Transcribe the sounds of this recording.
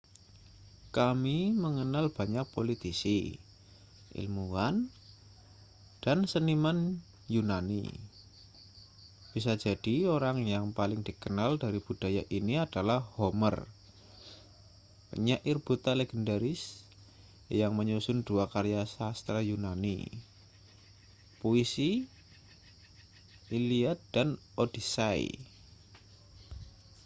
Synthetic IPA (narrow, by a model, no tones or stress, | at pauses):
kamiməŋənalb̥a̤ɲak̚polit̪isḭ | ʔḭlmuan | d̥ansəniman | junanḭ | b̥isad͡ʒa̤d̥ioɾaŋjaŋpalɪŋd̥ikənaldaɾib̥ṳd̥a̤jaʔiniad̥alahhomə̰r | kə̰ɲaʔɪrb̥ut̪aleɡ̥əndaɾɪs | jaŋməɲusʊnduakaɾjasast̪ɾajunanḭ | poisi | iliat̪̚d̥an | od̥isaḭ